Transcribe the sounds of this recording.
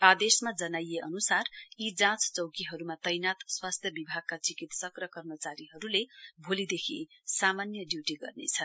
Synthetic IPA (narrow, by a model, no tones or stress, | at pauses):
ad̪esmad͡zʌnajeʔʌnusarid͡zãt͡st͡sʌwkiɦʌɾumat̪ʌjnat̪swast̪ʰjʌbibʱaɡ̚kat͡sikit̪sʌkrʌkʌrmʌt͡saɾiɦʌɾulebʱolid̪ekʰḭsamanjʌɖjuʈiɡʌ̰rnḛt͡sʰʌn